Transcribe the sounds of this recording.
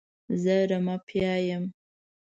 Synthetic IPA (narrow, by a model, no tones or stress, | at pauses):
zəɾamɑpʰjɑjəm